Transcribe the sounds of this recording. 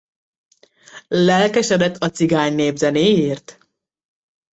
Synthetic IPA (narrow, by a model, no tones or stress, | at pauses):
lɛlkɛʃɛd̪ɛt̪ʰːɒt̪siɡaːɲneːvzɛneːjiːrt̪